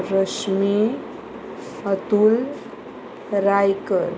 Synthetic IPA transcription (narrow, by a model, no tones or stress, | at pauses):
ɾəɕmi | ət̪ul | ɾajkəɾ